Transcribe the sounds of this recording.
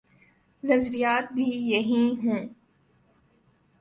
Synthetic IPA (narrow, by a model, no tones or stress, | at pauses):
nɐzɾijaːt̪̚bʱijɐɦĩɦũː